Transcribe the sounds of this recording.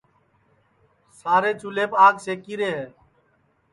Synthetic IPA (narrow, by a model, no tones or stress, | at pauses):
saːɾeːt͡ʃʊleːpaːɡseːkiːɾeːɦeː